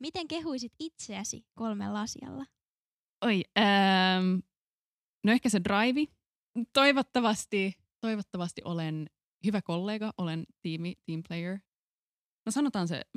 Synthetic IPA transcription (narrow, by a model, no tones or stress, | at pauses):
mit̪eŋkeɦuisit̪it̪seæsḭkolmḛlːɑɑsḭɑ̰lːɑ | ojəːm | noehkæsedrɑjʋi | t̪o̞iʋot̪ːɑʋɑst̪i | t̪o̞iʋot̪ːɑʋɑst̪iʔolen | hyʋækolːeːɡɑʔolent̪iːmit̪iːmplejəɹ | nosɑnot̪ɑːnsḛ